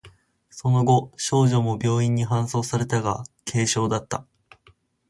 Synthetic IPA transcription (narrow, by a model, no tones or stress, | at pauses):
so̞no̞ɡo̞ɕo̞ːʑo̞mo̞bʲo̞ːĩɲ̟ːiɦãɰ̃so̞ːsaɾe̞t̪aɡa̰kʰe̞ːɕo̞ːd̪at̪ːa